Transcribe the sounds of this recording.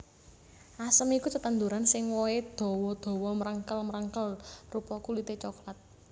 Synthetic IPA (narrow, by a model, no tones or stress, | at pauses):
ʔasəmikusət̪ənd̪uɾansɪŋwɔed̪̥ɔ̤wɔd̪̥ɔ̤wɔməɾəŋkəlməɾəŋkəlrupɔkulit̪et͡ʃɔklat̪̚